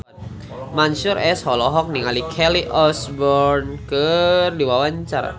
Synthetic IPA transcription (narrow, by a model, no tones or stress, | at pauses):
mansʊɾʔɛshɔlɔɦɔk̚niŋalikʰɛliʔɔsbɔrnkərdiwawaɲt͡ʃaɾa̰